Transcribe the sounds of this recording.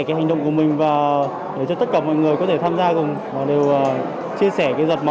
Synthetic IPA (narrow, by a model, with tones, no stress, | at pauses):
kaː˨˦jɦŋ̟ɗə̰˧˨ŋ͡mku˧˩əmï˨˩ŋ̟vaː˨˩ | ɗe˧˩t͡ɕɔ˧t̪ə˦˥t̚kaː˧˩mɔ̰˧˨jŋɨ˨˩əjkɔ˨˦t̪ʰe˧˩t̪ʰaː˧mzaː˧kʊ˨˩ŋ͡m | vaː˨˩ɗe˨˩wʔː | t͡ɕi˧əsɛ˧˩kaː˨˦zwə˨˩t̚ma˨